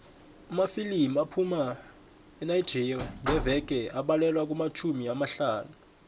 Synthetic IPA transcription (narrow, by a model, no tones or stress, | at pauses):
umafilimapʰuma | ɛnajd̥d͡ʒ̥ʱiriaŋʱɛvɛk̬ʼɛaɓalɛlwak̬ʼumat͡ʃʰumiamaɬaːnu